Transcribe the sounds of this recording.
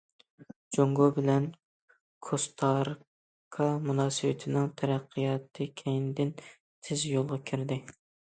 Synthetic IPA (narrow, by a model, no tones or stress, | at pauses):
d͡ʒoŋɡobɪlɛn | kʰost̪ʰɑɾ | kʰɑmunɑːsɨwɪt̪ʰɪnɪŋt̪ʰɛɾæqʰːɨjɑːt̪ʰːɨkʲʰɛjnd̪ɪn | t̪ʰɪzjolˠʁɑkʲʰiɾd̪ɪ